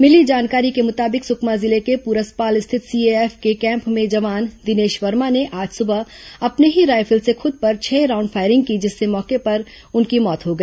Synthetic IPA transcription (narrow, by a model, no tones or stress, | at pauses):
mɪlid͡ʒaːnkaːɾikemʊt̪aːbɪksʊkmazɪlekepuːɾəspaːlɪst̪ʰɪt̪siːeɛːfkekɛ̃ːmpmẽd͡ʒɐʋaːnd̪ɪneːʃʋɐɾmaneʔaːd͡ʒsʊbə | ɐpneɦiɾaːjfʰəlsexʊd̪̚pɐɾt͡ʃʰɛːɾãːʊ̃ɳɖfʰaːɪɾɪ̃ŋɡ̚kid͡ʒɪsːemɔːkepɐɾ | ʊnkimɔːt̪ɦoɡɐi